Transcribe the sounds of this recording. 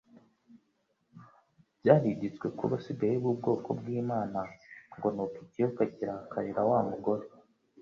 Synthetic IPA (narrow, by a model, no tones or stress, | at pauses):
bɟaːhiɟit͡swe̞kṵβasibejiβub̚ɡo̞ːko̞̰bɡiːmaːnaŋɡo̞nopicijokaciɾahakʰaɾiɾawamuɡo̞ɾe